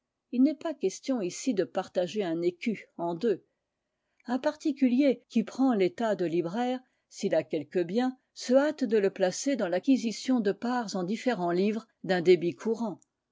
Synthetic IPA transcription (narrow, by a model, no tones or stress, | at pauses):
ilnɛpakʲɛst̪jɔ̃isid̪əpaʁt̪aʒeɛ̃nekʲyɑ̃d̪ø | ɛ̃paʁt̪ikʲyljekʲipχɑ̃let̪ad̪əlibʁɛːʁ | silakʲɛlkəbjɛ̃ | səat̪d̪ələplased̪ɑ̃lakʲizisjɔ̃d̪əpaʁzɑ̃d̪ifeʁɑ̃livʁ | d̪ɛ̃d̪ebikʰuʁɑ̃